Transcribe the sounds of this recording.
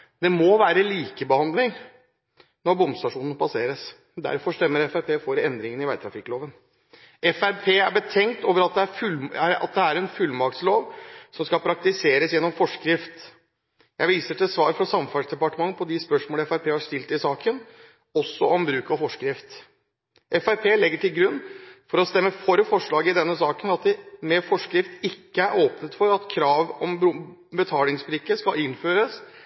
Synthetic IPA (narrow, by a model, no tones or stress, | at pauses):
d̪ɛmɔʋæːɾəliːkəbəhɑnd̪lɪŋ | nɔɾbɔmst̪ɑʂuːnən̩pʰɑseːɾəs | d̪æ̰ɾfɔʂt̪ɛmːəɾɛfæɾpʰeːfɔɾɛnd̪ɾɪŋənɪʋæt̪ʰɾɑfɪkːloːʋən | ɛfæɾpʰeːæɾbət̪ʰɛŋt̪oːʋəɾɑt̪̚d̪ɛæɾfʉlæɑ̰t̪̚d̪ɛæɾɛnfʉlːmɑk̚t̪sloːʋsɔmskɑlpʰɾɑk̚t̪ɪseːɾəsjɛnːɔmfɔʂkɾɪft̪ | jæɪʋiːsəʈɪsʋɑːɾfɾɑsɑmfɑsd̪ɛpɑʈəmɑŋːpʰɔd̪ɪspœʂmoːləɛfæɾpʰeːhɑʂt̪ɪlt̪ɪsɑːkən | ɔsːɔɔmbɾʉːkɑfɔʂkɾɪft̪ | ʔɛfæɾpʰeːlɛɡːəʈɪlɡɾʉnːfɔɾɔst̪ɛmːəfɔɾfɔʂɭɑːɡəɪd̪ɛnːəsɑːkənɑt̪̚d̪ɛmɛfɔʂkɾɪft̪ɪkːəæɾʔoːpnət̪fɔɾɑt̪kʰɾɑːʋɔm | bət̪ʰɑːlɪŋsbɾɪkːəskɑlɪnføːɾəs